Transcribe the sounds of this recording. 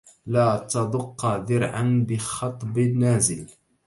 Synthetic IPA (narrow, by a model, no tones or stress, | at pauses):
laːt̪ɑd̪ˤʊqːɑðɪɾʕa̰nbɪxɑt̪ˤbnːaːzɪl